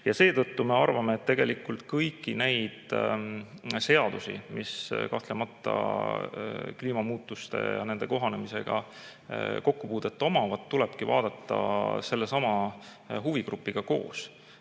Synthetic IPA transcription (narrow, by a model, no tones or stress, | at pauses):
jɑse̞ːt̪ɤt̪ːume̞ɑrvɑmeːt̪t̪ːe̞ɡ̥e̞likːult̪kɤjkːˑine̞jd̪̥ | se̞ɑd̪̥usḭmiskɑht̪le̞mɑt̪ˑːɑ̰ | kliːmɑmuːt̪ːˑust̪e̞̰jɑ̰ne̞nd̪̥e̞ko̞ɦɑne̞mise̞ɡ̥ɑ̰ | ko̞kːupuːd̪̥et̪ːo̞mɑvɑd̪̥t̪ːulɛb̥kivɑ̰ːd̪̥ɑt̪ˑːɑ̰se̞lːesɑmɑ | ɦuviɡrupːˑiɡ̥ɑko̞̰ːs